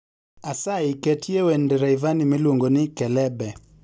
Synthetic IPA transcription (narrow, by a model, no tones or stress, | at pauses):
asaikɛtʰiɛwɛndɛɾaivanimiluŋɡɔnikɛlɛbɛ